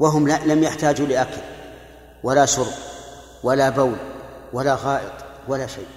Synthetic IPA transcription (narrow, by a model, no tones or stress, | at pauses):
waɦʊmlalamjaħt̪aːd͡ʒulɪʔakal | walasʊɾʔ | walabawlwalaɣɑːʔɨt̪ˤwalaʃajʔ